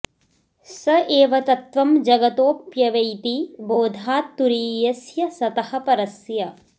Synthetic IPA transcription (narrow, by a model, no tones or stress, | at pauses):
sɐʔeːʋɐt̪ɐt̪ʋɐmd͡ʒɐɡɐt̪oːpjɐʋɐjt̪iboːd̪ʱaːt̪ːuɾiːjɐsjɐsɐt̪ɐhɐ̆pɐɾɐsjɐ